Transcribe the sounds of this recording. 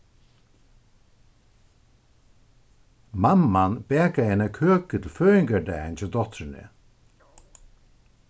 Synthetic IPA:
mamːanpɛːkaɛnɛkʰøːkʏt̪ʰɪlføːɪŋkad̪aɛjnsɔwd̪ɔht̪ɾɪnɪ̰

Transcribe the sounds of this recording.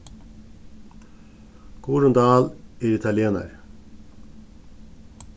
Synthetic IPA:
ɡ̥uːɾʉnd̪ɑːleːɾɪt̪ʰɑljeːnə̰ɾ

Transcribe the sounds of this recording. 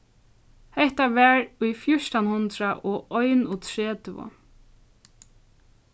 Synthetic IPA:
hɛht̪aʋɛɹʊjfjʊʂt̪anhʊnt̪ɾaʔɔːʔɔjnut̪ʰɹeːt̪ɪvʊ̰

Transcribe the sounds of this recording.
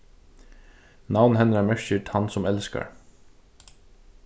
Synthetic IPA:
nawnhɛnəɾamɛʂçɪt̪hansʊmɛlska̰ɹ

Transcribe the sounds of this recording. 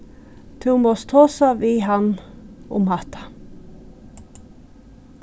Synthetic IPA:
t̪ʰuːmɑst̪ʰoːsɑʋiːhɑnʊ̰mhɑt̪ʰɑ̥

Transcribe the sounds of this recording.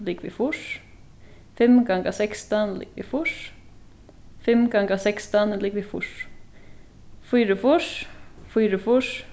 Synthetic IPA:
likvɪfuʂ | fɪmɡaŋkasɛkst̪anlḭːkvɪ̰fuʂ | fɪmkaŋkasɛkst̪anliːkvɪfṵʂ | fyːɾʏfuʂfuːɾʏfuʂ

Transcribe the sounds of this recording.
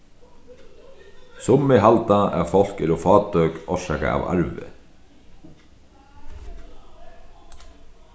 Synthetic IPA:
sʊmːɪɦalt̪aɛ̰ɾfɔl̥kɪɾɔfɑːt̪œkɔʃaːka̰ʔa̰va̰ɹʋɪ̰

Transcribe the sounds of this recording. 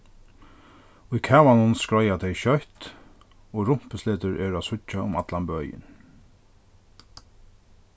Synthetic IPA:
ʊjkʰɛːvanʊnskɹɔjat̪ʰɛjɕœht̪ | ɔːɾʊm̥pəsleːt̪ʏɹʔɛːɹʊasʊt͡ʃːaʊmat̪lanbœːjɪ̰n

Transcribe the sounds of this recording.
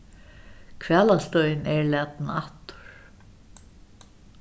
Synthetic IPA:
kʰvɛːlast̪œʏnɛɹlɛːt̪naht̪ʊ̥ɹ̥

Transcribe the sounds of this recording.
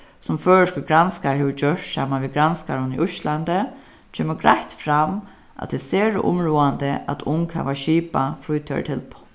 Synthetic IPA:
sʊmføːɹəʂkəɡɾanskaɹheʋəd͡ʒœʂt̪saːmanʋiɡɾanskaɹʊniʔʊʃland̪ə | t͡ʃʰeːməɡɾaht̪fɾam | ʔa̰t̪ʰɪseːɹə̰ʔʊ̰mɹuːand̪əʔa̰t̪ʰʊŋkha̰ʋaɕiːpafɾuːjt̪ʰœ̰ɹt̪ʰɪl

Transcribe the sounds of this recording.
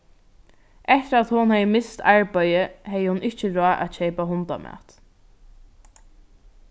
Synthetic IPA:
ʔɛht̪əɾat̪hʊnhɛjəmɪst̪ʰaɹpœjəhɛjəhʊnɪht͡ʃəɾɔːʔa̰t̪t͡ʃeːpaɦʊnt̪a̰mʔæ̰t̪

